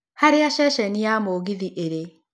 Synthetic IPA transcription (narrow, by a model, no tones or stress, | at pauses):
haɾeaʃɛʃɛniamoːɣiðiʔeɾe